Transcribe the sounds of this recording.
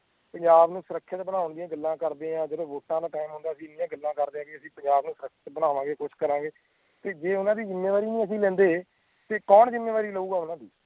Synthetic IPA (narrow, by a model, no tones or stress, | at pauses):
pəɲd͡ʒaːbnũːsəɾəkʰːjət̪bənaːʊɳd̪ɪjãːɡəlːãːkəɾd̪eːãːd͡ʒəd̪õːʋoːʈːãːd̪aːʈaːɪmɦʊ̃nd̪aːsĩːɪnɪjãːɡəlːãːkəɾd̪eːãːkeəsĩːpəɲd͡ʒaːbnũːsəɾəkʰːt̪bənaːʋãːɡeːkʊt͡ʃʰkəɾãːɡeː | t̪eːd͡ʒeːʊnãːd̪iːd͡ʒɪmːeːʋaːɾiːnĩːəs̬ĩːlɛ̃ːnd̪eː | t̪eːkɔːnd͡ʒɪmːeːʋaːɾiːləuːɡaːʊnãːd̪iː